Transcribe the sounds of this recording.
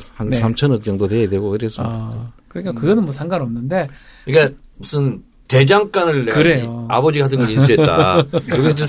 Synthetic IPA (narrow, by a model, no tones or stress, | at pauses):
hansʰamt͡ɕʰʌnɯk̚t͡ɕ͈ʌŋdodwejadweɡoiɾʰes͈ɯmikɯɾɲik͈akɯɡʌnɯnmwʌsʰaŋɡanʌmnɯnde̞iɡemus͈ɯn | te̞d͡ʑaŋk͈anɯɭɯɾeoa̰bʌd͡ʑiɡatʰɯnɡɯninsuettt͈a̰koɡed͡ʑo